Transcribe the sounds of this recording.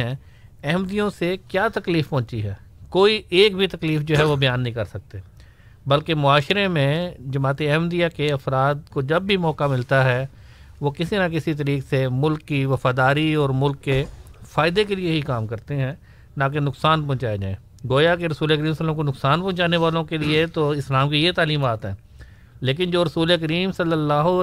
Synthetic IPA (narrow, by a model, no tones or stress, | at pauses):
ɦɛ̃ː | ɛːmd̪ijõsekjaːt̪ɐkliːfpɔ̃ːt͡ʃiɦɛː | koːieːk̚bʱit̪ɐkliːfd͡ʒoːɦɛʋobɐjaːnːɐɦĩkɐɾsɐk̚t̪e | bɐlkemʊaːʃɾemẽd͡ʒɐmaːt̪iɛɦmd̪ijakeɐfɾaːd̪̚kod͡ʒɐbːʱimɔːkamɪlt̪aɦɛ | ʋokɪsinakɪsit̪̬əɾiːksemʊlkːiʋɐfaːd̪aːɾiɔːɾmʊlkːefaːɪd̪ekelieɦikaːmkɐɾt̪eɦɛ̃ː | nãk̬enʊksaːnpɐ̃ʊ̃t͡ʃaːjad͡ʒa̰ːẽː | ɡoːjakeɾɐsuːlekəɾiːmsələmkonʊksaːnpɐ̃ʊ̃t͡ʃaːneʋaːlõkeliet̪oɪslaːmkijet̪aːliːmaːt̪ɦɛ̃ː | leːk̬ɪnd͡ʒoːɾɐsuːleəkəɾiːmsɐlːəlːaːɦ